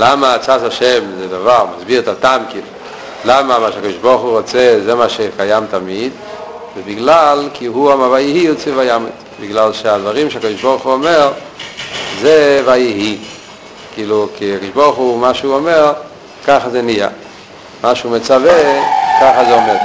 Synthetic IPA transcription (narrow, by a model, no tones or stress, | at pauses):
lamat͡sasaʃemzɛd̪avaʁmazbiʁɛt̪at̪amkilu | lamamaʃakod̪iʃboʁχuʁot͡sezemaʃekajamt̪amid̪ | vɛbiɡlalkʰiɦuamaʁvajihiut͡sivajamḭt̪ | biɡlalʃead̪vaʁimʃeakod̪iʃboʁχuomeʁ | zevajiɦi | kiːlukiakod̪iʃboʁχumaʃeuomeʁ | kaχazɛnia̰ | maʃeumet͡savekaχazeomed